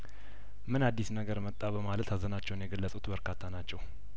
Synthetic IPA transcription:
mɨnad̪ːisnəɡəɾmət̪ʼːabəmalət̪ʰazənat͡ʃːɛwnjɛɡəlːəsʼut̪bəɾkʰat̪ʰːanat͡ʃːɛw

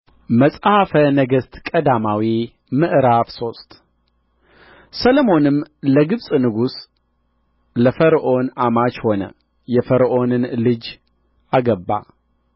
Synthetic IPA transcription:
məsʼhafənəɡəst̪kʼəd̪amawi | mɨʔɾafso̞st̪ | sələmo̞nɨmləɡɨβsʼnɨɡus | ləfəɾʔo̞namat͡ʃho̞nə̰ | jɛfəɾʔo̞nɨnlɨd͡ʒ | ʔaɡəbːa̰

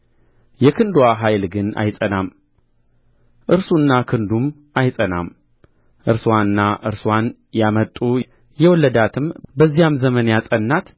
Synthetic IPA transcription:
jɛkʰɨnd̪waɦajlɡɨna̰jsʼənam | ʔɨɾsunːakʰɨnd̪um | ajsʼəna̰m | ʔɨɾswanɨnːaʔɨɾswan | jamət̪ʼːu | jɛwɔlːəd̪at̪ʰɨmbəzːijamzəmənjasʼənːat̪

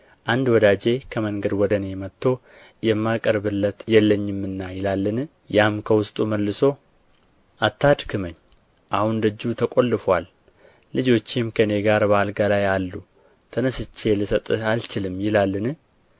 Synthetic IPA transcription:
ʔand̪wɔd̪ad͡ʒe̞kʰəməŋɡəd̪wɔd̪əne̞mət̪ʰːo̞ | jɛmːakʼəɾbɨlːət̪jɛlːəɲːɪmːɨnːajɪlalːɨn | jamkʰəwʊst̪ʼuməlːɨso̞ | ʔat̪ːad̪kʰɨməɲː | ʔahund̪əd͡ʒːut̪ʰəkʼo̞lːɨfwalː | ɨd͡ʒo̞t͡ʃːɪmkʰəne̞ɡaɾbalɡalajalːu | t̪ʰənəsɨt͡ʃːe̞lɨsət̪ʼɨalt͡ʃɪlɨmjɪlalːɨn

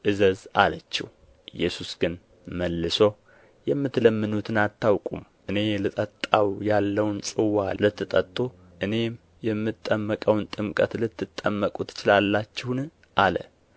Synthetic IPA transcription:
ʔɨzəzalət͡ʃːɛ̰h | ʔɨjːɛsusɡ̥ɨn | məlːɨso̞ | jɛmːɨt̪ləmːɨnut̪ʰɨnat̪ːawkʼumʔɨne̞lɨt̪ʼət̪ʼːawjalːəwnsʼɨwalɨt̪ʰːɨt̪ʼət̪ʼːu | ʔɨne̞m | jɛmːɨt̪ʼːəmːəkʼəwnt̪ʼɨmkʼət̪lɨt̪ːɨt̪ʼːəmːəkʼut̪ʰːɨ̥t͡ʃɪlalːat͡ʃːɪhn | ʔalə̰

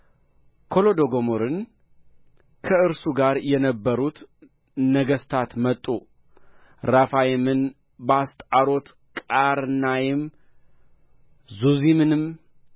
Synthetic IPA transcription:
kʰo̞lo̞d̪o̞ɡo̞moɾɨn | kʰəɨɾsuɡaɾjɛnəbːəɾut̪ | nəɡəst̪ʰat̪mət̪ʼːu | ɾafajmɨn | bəast̪ʼaɾo̞t̪ | kʼaɾɨnajɪm | zuzimɨnɨm

